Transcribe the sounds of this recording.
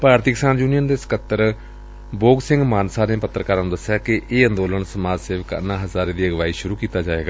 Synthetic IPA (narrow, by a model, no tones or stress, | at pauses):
paːɾt̪iːkɪsaːnd͡ʒuːnijənd̪esə̥kət̪ːəɾ | boːɡsɪ̃ŋɡmaːnsaːnẽːpət̪ːɾəkaːɾnũːd̪əsːjaːkɪʔeːə̃nd̪oːlənsəmaːd͡ʒseːʋəkə̰nãːɦəzaːɾẽːd̪iːəɡʋaːiːʃʊɾuːkiːt̪aːd͡ʒaːʋeːɡaː